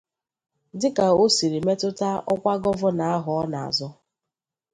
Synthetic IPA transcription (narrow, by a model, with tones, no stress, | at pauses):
dɪ˦ka˨o˦si˨ɾi˨me˦tʊ˦ta˦ɔ˦kʷa˦ɡɔ˦vʊ˦na˨a˦ɦʊ˨ɔ˦na˨a̰˨zɔ˦